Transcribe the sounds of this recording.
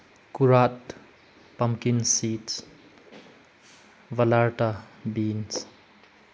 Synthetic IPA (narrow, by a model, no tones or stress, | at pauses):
kuɾat̚ | pamkinsits | vɐlaɾʈabins